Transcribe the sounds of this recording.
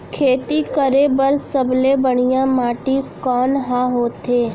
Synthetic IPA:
kʰeːt̪ikəɾebəɾsəblebəɽ̃ɪjãmaːʈikɔːnɦãːɦoːt̪eː

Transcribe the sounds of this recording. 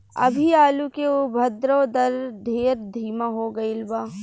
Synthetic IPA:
ɐ̰bʱiaːlukeobʱɐd̪ɾod̪ɐɾd̪ʱeːɾd̪ʱiːmaɦoːɡɐɪlbaː

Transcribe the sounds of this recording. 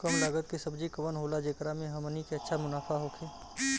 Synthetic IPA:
kəmlaːɡət̪̚kisɐbd͡ʒikɐʋənɦoːlad͡ʒeːkɾamẽɦɐmənikeɐtːʃʰamʊnaːfʰaɦoːkʰeː

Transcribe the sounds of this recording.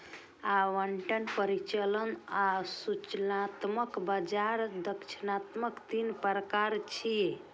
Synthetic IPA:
aʋəɳʈənpəɾit͡ʃələnasut͡ʃnat̪məkbad͡ʒaɾd̪əkt͡ʃʰinat̪məkt̪inpəɾəkaɾt͡ʃʰi

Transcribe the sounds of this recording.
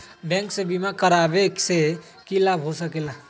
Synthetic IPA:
bɛ̃ŋksẽbimakəɾabekse | kilabɦosəkela

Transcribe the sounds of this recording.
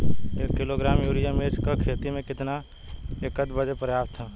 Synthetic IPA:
eːkːɪloɡɾaːmjuːɾijəmeːt͡ʃkakʰeːt̪imẽkɪt̪na | ekət̪bəd͡ʒepɾəjaːst̪ʰɛː

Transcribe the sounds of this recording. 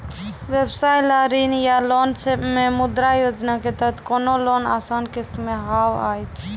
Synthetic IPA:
ʋebsajlaɾinjalont͡ʃememud̪ɾajod͡ʒnaket̪ət̪ʰkonolona̰sankest̪meɦawa̰jt͡ʃʰ

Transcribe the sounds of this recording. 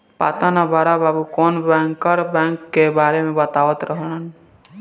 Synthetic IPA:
pa̰t̪anabaɾababukɔnbɛŋkɔɾbɛŋkːebaɾemebɔt̪awɔt̪ɾɔɦɔɽ̃an

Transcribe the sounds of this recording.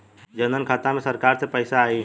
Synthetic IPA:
d͡ʒənənkʰaːt̪amẽsəɾkaːɾsepəɪsaaːi

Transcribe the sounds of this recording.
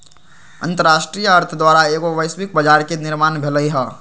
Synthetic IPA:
ɐ̰̃nt̪əɾaːʃʈɾijəɐɾt̪ʰəd̪waːɾaeːɡoʋəɪswɪk̚bɐd͡ʒaːɾkenɪɾmaːnbʱɪləiɦɛː

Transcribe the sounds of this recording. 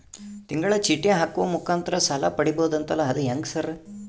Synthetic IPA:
t̪iŋɡɐɭɐt͡ʃiʈːijɐɦaːkuʋɐmukʰaːnt̪ɐɾɐsɐlapɐɽiboud̪ɐnt̪ɐlːɐːd̪ujɐŋɡsɐɾ

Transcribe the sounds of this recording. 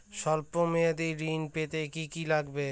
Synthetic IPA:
ʃɔlpomead̪iɾinpet̪ekikilaɡbe

